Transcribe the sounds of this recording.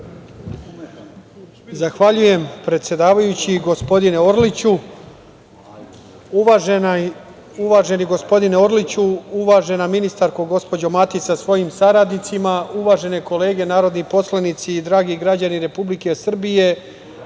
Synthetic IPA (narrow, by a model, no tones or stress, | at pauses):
zaxʋaʎuje̞mpɾet̪sje̞d̪aːʋajut͡ɕiɡo̞spo̞d̪ineoɾlit͡ɕu | uʋaːʒe̞niɡo̞spo̞d̪ineoɾlit͡ɕuuʋaːʒe̞naminist̪aɾkoɡo̞spo̞d͡ʑo̞mat̪isasʋo̞jimsaɾad̪nit̪simauʋaʒe̞ne̞ko̞le̞ːɡe̞naːɾo̞d̪nipo̞slˠanit̪siːd̪ɾaːɡiɡɾad͡ʑaniɾe̞publike̞sr̩bije̞